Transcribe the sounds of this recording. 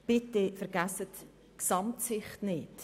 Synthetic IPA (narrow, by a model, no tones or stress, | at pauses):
b̥ɪtefɛɾɡ̥æsət | ksɑmtsɪχtnɪt